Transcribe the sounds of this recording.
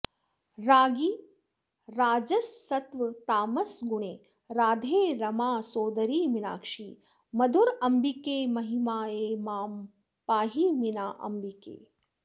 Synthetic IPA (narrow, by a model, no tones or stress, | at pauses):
ɾaːɡiː | ɾaːd͡ʒɐsːɐt̪ʋɐt̪aːmɐsɡuɳeː | ɾaːd̪ʱeːɾɐmaːsoːd̪ɐɾiːʋina̰ːkʂiː | mɐd̪ʱuɾɐmbikeːmɐɦimaːeːmaːm | paːɦiminaːʔɐ̰mbikḛː